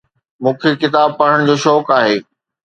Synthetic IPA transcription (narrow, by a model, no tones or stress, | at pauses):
mũːkʰekɪt̪aːb̚paɽ̤əɽ̃d͡ʑoːʃɔːkaːɦeː